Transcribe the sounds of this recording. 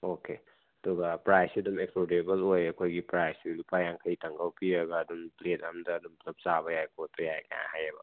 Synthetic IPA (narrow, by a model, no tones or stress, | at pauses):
oke | ɐdɔɡɐpɾajsiɐdumepʰodebɐlojɐkʰojɡipɾajsilupajaŋkʰɐjtɐŋɡawpiɾɐɡɐːdumpletɐmdɐːdumlɐp̚sabɐjajkʰot̚pɐjajkʰa̰ja̰hajɐbɐ̰